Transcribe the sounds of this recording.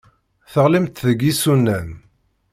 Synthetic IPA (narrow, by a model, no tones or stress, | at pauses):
θəʁlimt̪ðəɡisunːæn